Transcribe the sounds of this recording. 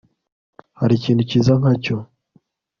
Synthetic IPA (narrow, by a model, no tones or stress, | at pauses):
haɾiciːnducizaŋaco